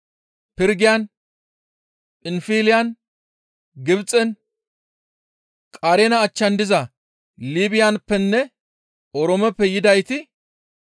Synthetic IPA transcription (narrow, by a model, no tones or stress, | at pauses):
pɪɾɡɪjɐn | pʼɪnfiːlɪjɐn | ɡɪbt͡sʼɛn | kʼaɾenɐːt͡ʃːɐnd̪ɪzɐ | liːbɪjanpːɛnːɛ | ɔɾɔmɛpːɛjɪd̪ɐjt̪ɪ